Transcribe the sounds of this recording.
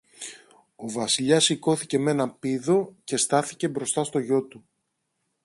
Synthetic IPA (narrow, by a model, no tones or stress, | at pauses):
o̞vɐsiʎɐsiko̞θice̞me̞nɐpiðo̞ce̞st̪ɐθice̞bɾo̞st̪ɐst̪o̞ʝo̞t̪u